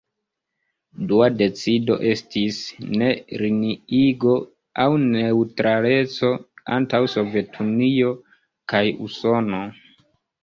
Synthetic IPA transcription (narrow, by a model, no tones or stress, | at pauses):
duade̞t͡sido̞̰ʔe̞stʰisne̞ɾiniiɡo̞ | awne̞utɾʔale̞t͡so̞a̰ntawso̞ve̞tʰunio̞ | kajṵso̞no̞